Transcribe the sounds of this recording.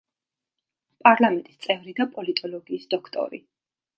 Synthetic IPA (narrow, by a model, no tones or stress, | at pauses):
pʼaɾlˠamɛnt̪ʼi̥st̪sʼɛvɾid̪apʼɔlit̪ʼɔlɔɡiːsd̪ɔkʰt̪ʼɔ̰ɾḭ